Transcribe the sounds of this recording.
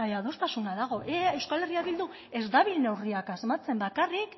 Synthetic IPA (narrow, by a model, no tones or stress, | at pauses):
aðo̞st̪asunaðaɣ̞o̞ʔee̞wskale̞riaβild̪u | e̞zd̪aβilne̞wriakasemat͡se̞mbakarik